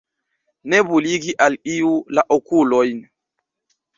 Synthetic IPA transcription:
nɛbuliɡiʔalijulaʔɔkulɔjn

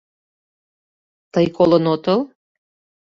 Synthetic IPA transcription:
t̪əjkolənot̪əl

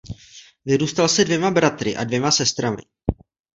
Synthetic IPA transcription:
vɪɾuːst̪alsɛdvjɛmabɾat̪ɾɪʔa̰dvjɛmasɛst̪ɾamɪ̰

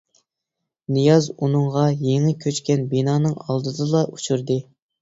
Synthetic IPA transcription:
nɨjɑzunɨŋʁɑjeŋɪkʲʰøt͡ʃkʲɛnbinɑːnɨŋɑlˠd̪ɨd̪ɨlˠɑʔut͡ʃʰuɾd̪ɨ

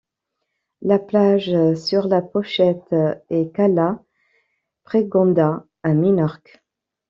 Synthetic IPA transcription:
laplaʒsyʁlapɔʃɛt̪ekala | pχeɡɑ̃d̪a | amynɔʁk

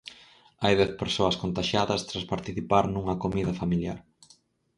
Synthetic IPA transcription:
ajðɛθpeɾsoɐskont̪aʃaðɐst̪ɾaspaɾt̪iθipaɾnuŋɐkomiðɐfamilja̰ɾ

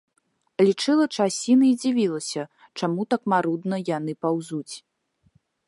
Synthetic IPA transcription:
lʲit͡ʂɨlˠɐt͡ʂasʲinɐid͡zʲivʲilˠɐsʲɐ | t͡ʂamut̪ɐkmaɾud̪nɐjanɨpawzut͡sʲ

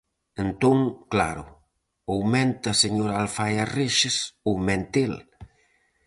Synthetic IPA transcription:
ent̪oŋkla̰ɾʊ̰ | owmɛ̃nt̪aseɲoɾalfajareʃɪsowmɛnt̪el

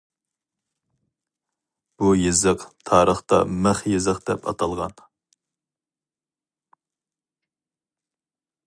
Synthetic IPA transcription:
b̥ujezɨqt̪ʰɑːɾəχt̪ɑ̰mæχjezəqd̪̥ɛpʰɑ̰t̪ʰɑlˠʁɑn

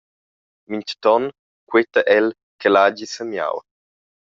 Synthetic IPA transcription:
mint͡ʃt̪ɔn | kwet̪əʔɛl | kelaːd͡ʒisəmja̰w

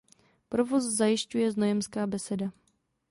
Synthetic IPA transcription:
pɾovoszajɪʃcujɛzno̞jɛmskaːbɛsɛda

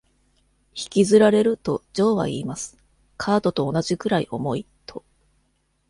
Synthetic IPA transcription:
çi̥kʲizɨɾaɾe̞ɾɯ̟t̪o̞d͡ʑo̞ːβa̰iːmasɨ̥ | kʰaːt̪o̞t̪o̞ːnaʑikɯ̟ɾaiʔo̞mo̞i | t̪ʰo̞

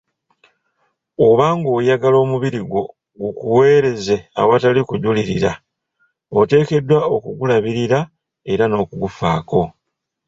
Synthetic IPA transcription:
oβaːŋɡoːjaɡalo̞ːmuβiɾiɡwo̞ | ɡukuwe̞ːɾe̞ze̞a̰watalikuɟuliɾiɾa | ote̞ːke̞dːwaokuɡulaβiɾiɾa | e̞ɾano̞ːkuɡufaːko̞

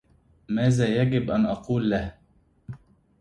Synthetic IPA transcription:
maːzðaːjaɡɪbʔanʔɑquːlːah

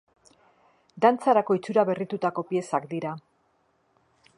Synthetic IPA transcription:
d̪ant͡saɾako̞it͡suɾaβe̞rit̪ut̪ako̞pje̞sakd̪iɾa

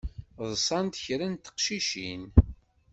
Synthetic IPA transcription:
ðˤsˤɑnt̪çɾænt̪ːə̥qʃiʃḭn

